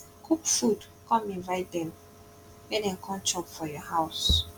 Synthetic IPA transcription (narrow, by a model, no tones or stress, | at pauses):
kʰukfud | kɔ̃mĩnvaɪdɛ̃m | wɛnɛ̃ŋ̩kʰɔ̃nt͡ʃɔpfɔjɔhaʊs